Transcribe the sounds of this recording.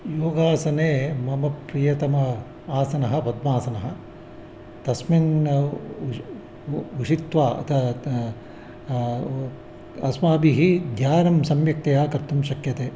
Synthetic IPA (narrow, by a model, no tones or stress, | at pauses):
joːɡaːsɐneːmɐmɐpɾijɐt̪ɐmɐ | aːsɐnɐɦɐ̆pɐd̪maːsɐnɐɦɐ | t̪ɐsmin | uʂit̪ʋaːɐ̰t̪ʰɐ | ɐsmaːbiɦid̪ʱjaːɾɐmsɐmjɐk̚t̪ɐjaːkɐɾt̪umʃɐkjɐt̪eː